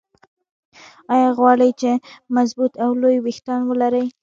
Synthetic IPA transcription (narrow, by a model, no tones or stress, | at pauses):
ɑjɑɣwɑɽəjt͡ʃemazbut̪awlojwext̪anwəlaɾəj